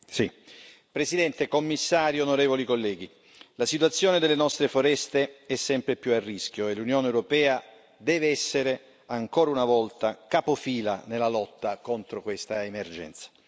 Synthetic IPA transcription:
si | pɾesid̪ɛnt̪ekomːisːaːɾionoɾeːvolikolːɛːɡi | lasit̪wat̪sːjoːned̪elenɔst̪ɾefoɾɛst̪eɛsːɛmpɾepjuarːisk̟joelːunjoːneːwɾopɛːa | d̪ɛːveɛsːeɾe | aŋkoːɾaunavɔlt̪akapofiːla̰nelːalɔt̪ːakont̪ɾokwest̪aemerd͡ʒɛ̰nt̪sḁ

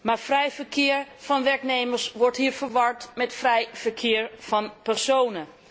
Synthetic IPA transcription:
maɹfrɛjfəɹkʰɪːəɹfɔnʋɛɹkneːməɹsʋɔɹthiːɹfəɹʋɑɹtmɛtfrɛjfəɹkʰɪːɹfɔnpɛɹsoːnə

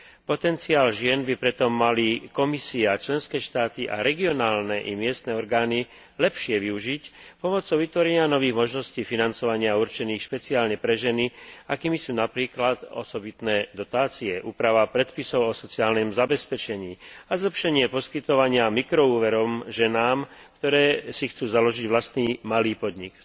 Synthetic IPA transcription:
pɔt̪ɛnt͡siaːlʒɪɛnbipɾɛt̪ɔmːalikɔmisiat͡ʃlɛnskɛːʃt̪aːt̪iʔa̰ɾɛɡiɔnaːlnɛʔimɪɛst̪nɛɔɾɡaːni | lɛpʃɪɛʋiuʒicpɔmɔt͡sɔʊʋit̪ʋɔɾɛɲɪanɔʋiːɣmɔʒnɔsciːfinant͡sɔʋaɲɪauɾt͡ʃɛniːxʃpɛt͡siaːlɲɛpɾɛʒɛniakiːmisuːnapɾiːklat̪ɔ̰sɔbit̪nɛːd̪ɔt̪aːt͡siɛʔuːpɾaʋapɾɛt̪pisɔʊɔsɔt͡siaːlnɛmzabɛspɛt͡ʃɛɲiːazlɛpʃɛɲɪɛpɔskit̪ɔʋaɲɪamikɾɔuːʋɛɾɔmʒɛnaːmk̚t̪ɔɾɛːsixt͡suːzalɔʒiɟʋlast̪niːmaliːpɔd̪ɲik

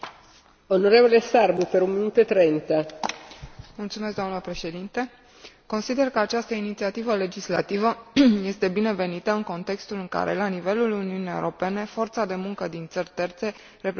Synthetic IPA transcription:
onoɾevolesarbupeɾunminut̪oet̪ɾent̪a | mult̪sumes̬d̪oamnəpɾe̞ʃe̞d̪int̪e̞ | ko̞nsid̪e̞rkəat͡ʃast̪əinit̪siat̪ivəle̞d͡ʒisla̰t̪ivəje̞st̪e̞bine̞ve̞nit̪əɨŋko̞nt̪e̞kst̪ulɨŋka̰ɾʔe̞̰lanive̞luluniuniḛṵɾo̞pe̞ne̞fo̞rt̪sad̪e̞muŋkəd̪int̪sərʲt̪e̞rt̪se̞ | re̞pɾ

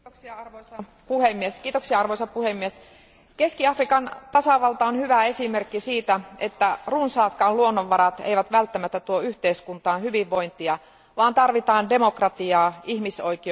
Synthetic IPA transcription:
oksiɑɑrʋoisɑ | puhemːieskiːt̪oksiɑɑrʋoisɑpuhemːies | keskiɑfrikɑnt̪ɑsɑʋɑlt̪ɑonhyʋæe̞simerkːisiːt̪æet̪ːærunsɑːt̪kɑːlluonːoʋːɑɾɑt̪ḛiʋæt̪ʋælt̪ːæmæt̪ːæt̪uoyht̪eiskunt̪ɑːnhyʋiʋːo̞int̪iɑ | ʋɑːnt̪ɑrʋit̪ɑːnde̞mokrɑt̪iɑːihmisoiki

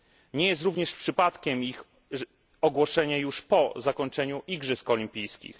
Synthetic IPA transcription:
ɲɛjɛst̪ɾuvɲɛʂpʂɘpat̪kʲɛmix | ɔɡwɔʂɛɲajuʂpɔzakɔɲt͡ʂɛɲuʔiɡʐɘskɔlʲimpʲijskʲḭx

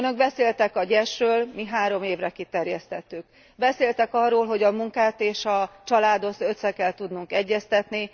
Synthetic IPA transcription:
ønø̞ɡ̚bɛseːlt̪ɛkɒɟɛʃrøːlmiɦaːɾo̞meːvrɛkit̪ɛrjɛst̪ɛt̪ːyk | bɛseːlt̪ɛkɒrːoːlɦo̞ɟɒmuŋkaːt̪eːʃɒt͡ʃɒlaːd̪o̞t̪søt̪sɛkɛlt̪ud̪nuŋkɛɟːɛst̪ɛt̪ni

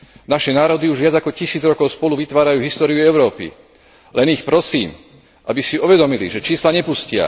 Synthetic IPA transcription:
naʃɛnaːɾɔd̪iuʒʋɪad͡zakɔcisiːd͡zɾɔkɔʊspɔluʋit̪ʋaːɾajuːɦist̪ɔːɾijuɛʊɾɔːpḭ | lɛnixpɾɔsiːm | ʔabisiuʋɛd̪ɔmilḭʒɛt͡ʃiːslaɲɛpuscɪa̰

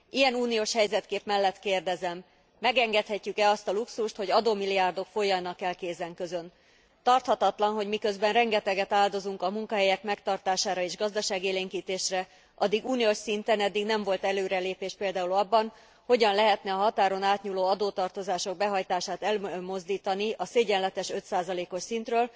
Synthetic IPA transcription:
ʔijɛnuːnijoːʃhɛjzɛt̪keːpmɛlːɛt̪keːrd̪ɛzɛmː | ɛɡɛŋɡɛt̪hɛcːykɛɒst̪ɒluksuʃt̪ho̞ɟɒd̪oːmiliaːrd̪o̞kfo̞jːɒnɒkɛlkeːzɛŋkøzø̞n | t̪ɒrt̪hɒt̪ɒt̪lɒnɦo̞ɟmikø̞zbɛnrɛŋɡɛt̪ɛɡɛt̪aːld̪o̞zuŋkɒmuŋkɒɦɛjɛkmɛkt̪ɒrt̪aːʃaːɾɒeːʒɡɒzd̪ɒʃaːɡieːleːŋkiːt̪eːʃrɛ | ʔɒd̪iɡuːnioʃsint̪ɛnɛd̪ːiɡnɛɱvo̞lt̪ɛløːɾɛleːpeːʃpeːld̪aːulɒbːɒn | hoɟɒnlɛɦɛt̪nɛɒɦɒt̪aːɾo̞naːt̪ɲuːloːɒd̪oːt̪ɒrt̪o̞zaːʃo̞ɡ̚bɛɦɒjt̪aːʃaːt̪ɛlmo̞zd̪iːt̪ɒniʔɒseːɟɛnlɛt̪ɛʃø̞t̪saːzɒleːko̞ʃsint̪røːl

